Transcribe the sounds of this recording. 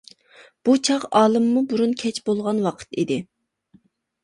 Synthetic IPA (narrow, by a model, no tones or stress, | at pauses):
b̥ut͡ʃʰɑqɑːlˠɨmːubuɾunkʲʰɛt͡ʃbolˠʁɑnwɑqʰə̥t̪id̪ɪ